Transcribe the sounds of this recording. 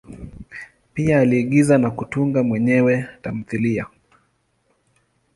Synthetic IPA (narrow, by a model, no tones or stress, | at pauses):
piaːliːɠizanakutuŋɡamwɛɲɛwɛtam̩θilia